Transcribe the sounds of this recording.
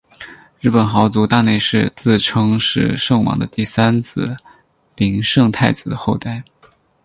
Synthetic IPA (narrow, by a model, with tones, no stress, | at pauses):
ɻɻ̩˥˩pə˨˩nxɑ˧˥ʊt͡su˧˥t̪a˥˧ne˥˧ɪʂɻ̩˥˧t͡sɹ̩˥˩ʈ͡ʂʰɤ˥ŋʂɻ̩˥˧ʂɤ˥˩ŋwɑ̰˧˥ŋd̪ə˧t̪i˥˩sa˥nt͡sʰɹ̩˥˩ | pi˧˥ŋʂɤ˥˧ŋt̪ʰa˥˩ɪt͡sɹ̩˨˩d̪ə˦xo˥˧ʊt̪a˥˩ɪ